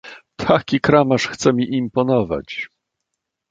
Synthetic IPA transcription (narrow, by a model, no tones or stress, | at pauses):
t̪ʰakʲikɾamaʂxt̪sɛmʲiʔimpɔnɔva̰t͡ɕ